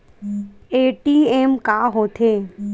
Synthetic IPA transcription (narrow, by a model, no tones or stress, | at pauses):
eːʈiːeːmkaːɦoːt̪ʰeː